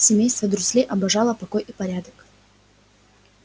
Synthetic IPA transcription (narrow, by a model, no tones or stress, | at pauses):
sʲɪmʲejst̪vəd̪ɾʊsʲlʲeʔɐbɐʐalˠəpɐkojʔipɐɾʲad̪ək